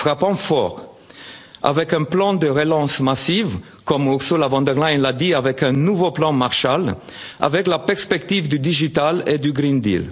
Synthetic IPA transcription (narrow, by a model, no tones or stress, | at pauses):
fʁapɑ̃fɔʁ | a̰vɛkɛ̃plɑ̃d̪əʁelɑ̃smasivkɔmuʁsolavɑ̃d̪ɛʁlajnlad̪iavɛkɛ̃nuvoplɑ̃maʁʃal | a̰vɛklapɛʁspɛkt̪ivd̪yd̪iʒit̪aled̪yɡʁĩnd̪ḭl